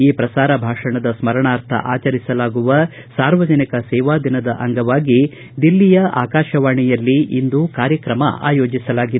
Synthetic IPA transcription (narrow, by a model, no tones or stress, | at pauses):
iːpɾɐsaːɾɐbʱaːʂɐɳɐd̪ɐsmɐɾɐɳaːɾt̪ʰɐ̰ʔaːt͡ʃɐɾisɐlaːɡuʋɐ | saːɾʋɐd͡ʒɐnikɐsɛːʋaːd̪ʱinɐd̪ɐʔɐŋɡɐʋaːɡi | d̪ilːijɐa̰ːkaːʃɐʋaːɳijɐlːiʔind̪ukaːɾjɐkɾɐmɐ̰a̰ːjoːd͡ʒisɐlaːɡid̪